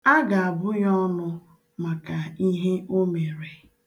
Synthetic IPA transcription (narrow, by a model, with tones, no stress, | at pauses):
a˦ɡa˨a˨bʊ˦jɔ˦nʊ˦ | ma˨ka˨i˦ɦe˦ʔo˦me˨ɾe˨